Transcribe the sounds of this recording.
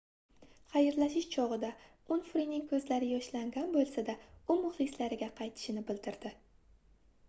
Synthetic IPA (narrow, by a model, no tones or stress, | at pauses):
χajɪɾlaʃɪʃt͡ʃʰɒʁɨd̪a | ʊnfɾinɪŋkʰɵzlaɾɪjɒʃlaŋɡʲanbolˠsad̪aʊmʊχlˠɪslaɾɪɡʲaqʰɑjt̪ʰɪ̥ʃɪnɪbɪld̪ɪɾd̪ɪ